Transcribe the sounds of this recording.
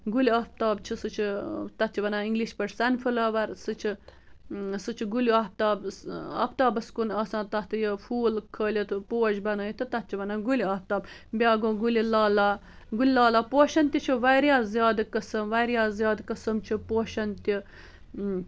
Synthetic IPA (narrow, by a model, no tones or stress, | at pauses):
ɡulʲiɐːpt̪aːbt͡ʃʰisɨt͡ʃʰit̪ɐt̪̚t͡ʃʰiʋɐnaiŋɡliʃpɐʈsɐnfʰulɐʋɐɾsɨt͡ʃʰi | sɨt͡ʃʰiɡulʲuɐːp̚t̪aːbɐ̰ːpt̪aːbɐskunɐːsãːt̪ɐt̪ɨjəfuːlkʰəːlʲit̪ʰpoːd͡ʒbɐnəːjit̪ʰɨt̪ɐt̪̚t͡ʃʰiʋɐnaɡulʲɐːp̚t̪aːb | bʲaːɡõːɡulʲilaːlaː | ɡulʲilaːlaːpoːʃɐnt̪ʲit͡ʃʰiʋɐjɾjaːzjaːd̪kɐsɐmʋɐɾjaːzjaːd̪kɐsɐmt͡ʃʰipoːʃɐnt̪ʲi